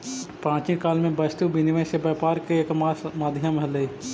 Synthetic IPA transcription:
pɾãːt͡ʃikaːlmẽbəst̪ubɪnɪʋə̃sebəːpaːɾkeekamaːd̪ʱjəmɦəle

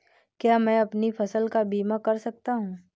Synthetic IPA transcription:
kjaːmɛ̃ːɐpnifʰɐsəlkabiːmakɐɾsɐk̚t̪aɦũː

